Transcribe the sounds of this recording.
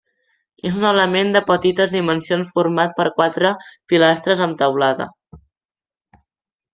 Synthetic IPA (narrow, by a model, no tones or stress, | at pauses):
ezunələmend̪əpət̪it̪əzðimənsionsfuɾmat̪̚pəɾkwat̪ɾəpilast̪ɾəzənt̪əwlaðə̰